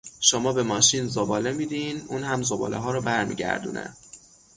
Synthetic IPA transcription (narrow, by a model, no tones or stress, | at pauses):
ʃomɒːbe̞mɒːʃinzobɒːle̞miːd̪inʔuːnhæmzobɒ̰ːlḛɦɒːɾɒːbæɾmḭːɟæ̰ɾd̪ṵːnʔḛ